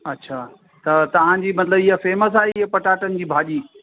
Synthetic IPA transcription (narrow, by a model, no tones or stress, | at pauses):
ɐtːɕʰaː | t̪ɐt̪ɐʋ̤ãd͡ʑiːmɐt̪ləbɪɦəfeːməs̬aːɦeɪɦɐpɐʈaːʈənɪ̆d͡ʑiːbʱaːʄiː